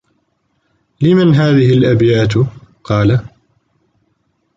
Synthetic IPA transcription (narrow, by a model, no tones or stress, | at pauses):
lɪmanɦaːðɪɦɪlʔabjaːt̪qɑːla